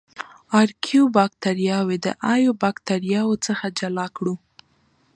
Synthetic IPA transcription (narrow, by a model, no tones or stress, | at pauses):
ɑɾkʰjobɑkt̪aɾijɑwed̪ə̰ʔɑjobɑkt̪aɾjɑwot͡səxad͡ʒalɑkɽu